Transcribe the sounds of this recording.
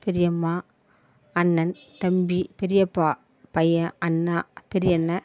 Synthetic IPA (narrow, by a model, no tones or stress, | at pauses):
pɛɾɪjɐmːaː | ɐnːɐn | t̪ɐmbipɛɾɪjɐpːaː | pɐjɐ̃ɐnːaːpɛɾɪjɐnːɐ